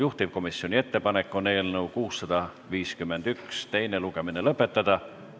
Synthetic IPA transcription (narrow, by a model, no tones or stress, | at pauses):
juht̪ib̥̚ko̞misːio̞nʲie̞t̪ːe̞pɑne̞kːˑo̞neːlnəukuːsːɑd̪̥ɑ | viːskymːend̪̥ykst̪e̞jne̞luɡ̥e̞minelɤpːe̞t̪ːˑɑd̪̥ɑ